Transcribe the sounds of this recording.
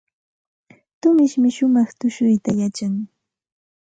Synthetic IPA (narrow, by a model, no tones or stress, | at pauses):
t̪ʊmɪʃmɪʃʊmɑχt̪ʊʃʊjt̪ajat͡ʃaŋ